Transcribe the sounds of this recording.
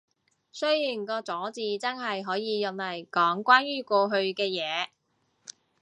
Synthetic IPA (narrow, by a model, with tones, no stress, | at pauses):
sɵ˥ɥjiː˨˩nkɔː˧t͡sɔː˨˥t͡siː˨t͡sɐ˥nɦɐ˨jɦɔː˨˥jiː˨˧jɐ˨nlɐ˨˩jkɔː˨˥ŋkʷaː˥nɥyː˥kɔː˧ɦɵ˧ɥkɛː˧jɛː˨˧